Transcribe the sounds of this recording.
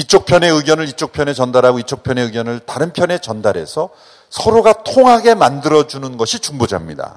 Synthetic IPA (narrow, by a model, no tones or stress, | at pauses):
it͡ɕ͈ok̚pʰjʌne̞ɯɡjʌnɯɾit͡ɕ͈ok̚pʰjʌne̞t͡ɕʌndaɾɦaɡoit͡ɕ͈ok̚pʰjʌne̞ɯɡjʌnɯɭtaɾɯnpʰjʌne̞t͡ɕʌndaɾe̞̰sʰʌ | sʰʌɾoɡatʰoŋɦaɡe̞mandɯɾʌd͡ʑunɯnɡʌɕʰit͡ɕuŋbod͡ʑa̰mɲida̰